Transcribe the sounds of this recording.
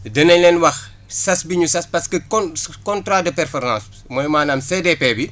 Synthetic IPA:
dɐnɐɲlɛnwɐx | sɐsbiɲusɐspɐskəkɔkɔntɾadəpɛrfɔrmãːs | mɔjmaːnaːmsedepebi

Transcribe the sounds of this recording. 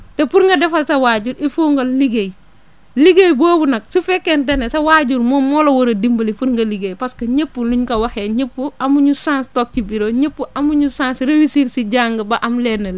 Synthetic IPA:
tepuɾŋɡɐdɛfalsɐwaːɟuɾʔifuːŋɡolliɡej | liɡejboːbunɐk̚sufekːendenesɐwaːɟuɾmomolowoɾɐdimbɐlifuɾŋɡɐliɡejpaskɐɲepːuluɲkɐwaxeɲepːuamuɲusãːnstoːk̚cibiɾoːɲepːuʔamuɲusãːnsɾewisiɾsiɟaːŋɡɐbaʔamlenɐl

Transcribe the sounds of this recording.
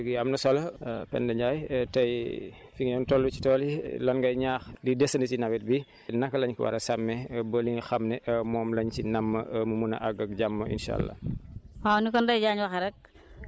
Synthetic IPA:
ɡiɐmnɐsɔlɐpɛ̰ndɐɲɟaːjtɐjfiŋjɔntɔlːuci̥tɔːlḭlɐnɡɐjɲaːxlidɛsɐnɐcinɐwɛt̚bi | nɐkːɐlɐɲkiwɐ̰ɾɐsɐmːɛbɐliŋxɐmnɛʔmɔːmlɐɲcinɐmːɐmumunɐ̰ʔɐɡɐk̚ɟamːɐḭnʃa̰ːlːa̰mawnikɔndɐjɟaːɲwɐxɐɾɛk̚

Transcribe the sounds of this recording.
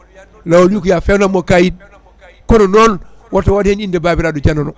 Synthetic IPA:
lawoljukujafelamokajid̚ | kononon | wotowodhenindebaːbiɾadud͡ʒanono

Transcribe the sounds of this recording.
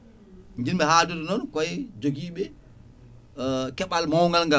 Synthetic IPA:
ɲd͡ʒinɓɛhaduɾɔnɔnkɔjd͡ʒoɡiːɓɛ | kɛɓalmawŋɡalŋɡa

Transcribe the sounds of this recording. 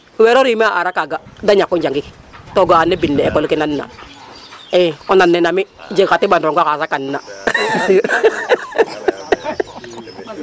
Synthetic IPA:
wɛɾɔɾimiaʔaɾakaɡadaɲakːɔnd͡ʒaŋɡik | tɔɡaanːɛbinːɛɛkɔlukinanːa̰ | ɛɔnanːɛnamid͡ʒekatibanɾɔŋɡʷakasakanːa

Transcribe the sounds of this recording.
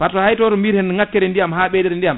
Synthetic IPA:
patːɔhajtɔɾɔmiɾhɛnŋakːɛɾɛndijamɦaːɓɛːdɛɾɛndijam

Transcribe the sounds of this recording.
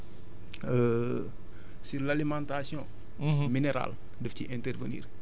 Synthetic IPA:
ə | silalimãntasjɔ̃ | minɛɾa̰l | dɛfciʔɛ̃ntɛrvənḭːr

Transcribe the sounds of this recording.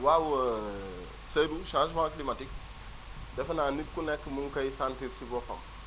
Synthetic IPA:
wawə | seduʃãʃmãklimatik | dɛfɐnanit̚kunɛkːəmuŋkɐjsãntiɾsibɔfɐ̰m

